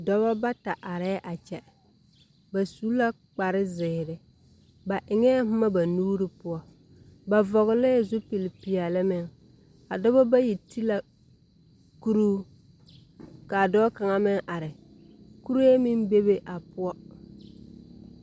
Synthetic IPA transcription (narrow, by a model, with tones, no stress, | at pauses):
dɔ˦βɔ˦ba˦ta˨ʔa˨ɾɛ˦ʔa˨t͡ʃɛ˨ | ba˨suː˦la˦ | k͡pa˨ɾɪ˦zɪː˨ɾɪ˦ | ba˨ʔɪ˨ŋɛ˦mʊ˦ma˦ba˨nuː˦ɾɪ˦pʊ˦ɔ˦ | ba˨vɔ˨ɣɪ˨lɪ˦˨zʊ˦pi˨lɪ˨pi˨a˨lɪ˦mɪ˨ŋ | a˨dɔ˦bɔ˦ba˦ji˨ti˦la˦ | ku˦ɾuː˦ | ka˨dɔː˦ka˨ŋa˦mɪ˦ŋʔa˨ɾɪ˨ | ku˦ɾe˦mɪ˦n˦be˦be˦ʔa˨pʊ˦ɔ˦